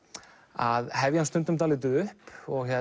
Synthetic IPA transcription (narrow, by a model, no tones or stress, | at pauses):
aðɦɛvjanst̪ʏnt̪ʏmt̪̬alɪt̪̬ʏʏhpɔɣhɛ